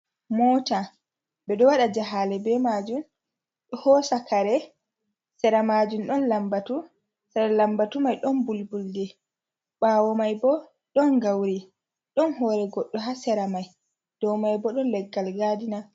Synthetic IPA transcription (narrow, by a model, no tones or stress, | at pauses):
mɔːta | ɓɛɗɔwaɗad͡ʒaɦalɛbɛmad͡ʒum | ɗɔhɔsakaɾɛ | sɛɾamad͡ʒumɗɔnlambatu | sɛlambatumajɗɔnbulbuldɛ | ɓaːwɔmajbɔ | ɗɔnɡawɾi | ɗɔnɦɔɾɛɡɔɗːɔɦasɛɾamaj | d̥ɔwmajbɔɗɔnlɛɡːalɡadina